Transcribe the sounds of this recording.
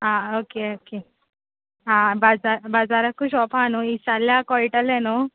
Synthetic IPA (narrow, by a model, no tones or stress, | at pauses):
ɦãokeoke | ɦãbad͡zaɾbad͡zaɾakːuɕɔfanoisaljakɔiʈəlɛno